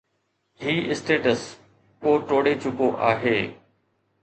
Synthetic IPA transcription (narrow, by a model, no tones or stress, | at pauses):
hiːʔɪsʈeːʈəs | koːʈoːɽet͡ɕʊkoʔa̰ːɦeː